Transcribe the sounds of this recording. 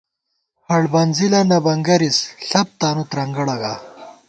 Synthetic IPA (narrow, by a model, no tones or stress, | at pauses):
hɐɽbɐnzilɐnɐbɐŋɡɐɾisɬɐp̚t̪aːnut̪ɾɐŋɡɐɽɐɡa